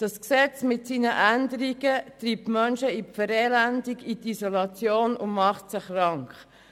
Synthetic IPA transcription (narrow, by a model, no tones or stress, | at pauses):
d̥ɑsksɛt͡smɪtsiːnəʔændəɾiɡ̥ətɾiːp̚tmœnʃəifəɾɛːlændiɡit̪isolɑt͡sjoːnʊnmɑχtsɪχrɑŋkχ